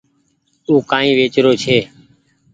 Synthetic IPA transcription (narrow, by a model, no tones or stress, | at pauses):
uːkãːĩːʋeːt͡ʃɾoːt͡ʃʰeː